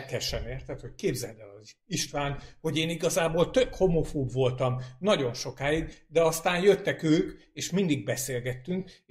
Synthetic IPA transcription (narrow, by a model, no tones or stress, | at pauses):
kɛʃɛmeːrt̪ɛt̪ho̞ckeːbzɛld̪ɛlɒziʃt̪ʋaːnho̞ɟeːniɡɒzaːboːlt̪økho̞mo̞foːbvo̞lt̪ɒmnɒɟo̞nʃo̞kaːiɡd̪ɛɒst̪aːnjøt̪ːɛkøːk | eːʃmind̪iɡ̚bɛseːlɡɛt̪ːyŋk